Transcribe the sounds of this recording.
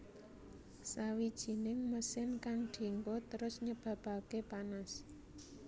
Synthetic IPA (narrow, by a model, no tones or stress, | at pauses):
sawid̥ʒ̥i̤nɪŋməsɪnkaŋɖ̥i̤ŋɡot̪əɾʊsɲəb̥ä̤b̥a̤kepanas